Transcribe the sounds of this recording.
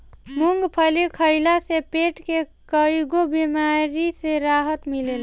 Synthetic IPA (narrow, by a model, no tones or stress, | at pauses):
muŋɡpʰəlikʰəɪlasepeʈkekəjɡobimaɾiseɾaɦət̪milel